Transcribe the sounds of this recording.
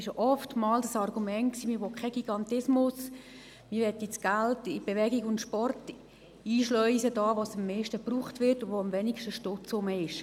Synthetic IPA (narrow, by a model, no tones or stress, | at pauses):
ɪʃʔɔftmɑːldəsɑrɡumɛnt̚ksiːmɪɾʋokʰɛɡ̥iɡɑntɪsmʊs | mɪɾʋɛtːit͡sɡ̥altɪb̥eʋɛɡiɡʊntʃpɔrt | iːʃlœʏsədɑːʋosəmːɛːʃtəpruːχtʋɪrtʊʋoəmʋɛnikʃtəʃtʊt͡sʊməɪʃ